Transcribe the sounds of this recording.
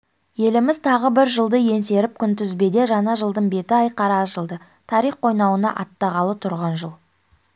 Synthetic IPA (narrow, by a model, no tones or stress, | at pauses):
je̞lɪmɪzt̪ʰɑʁəbɪɾʒəlˠd̪əje̞nse̞ɾɪp̚kʲʰʏnt̪ʰʏzbe̞d̪e̞ʒɑnɑʒəlˠd̪əɴbe̞t̪ɪɑjqɑɾɑʒəlˠd̪ə | t̪ʰɑɾiχqʰo̞jnɑwənɑ̰ʔɑt̪ːɑʁɑlˠət̪ʰʊɾʁɑnʒəlˠ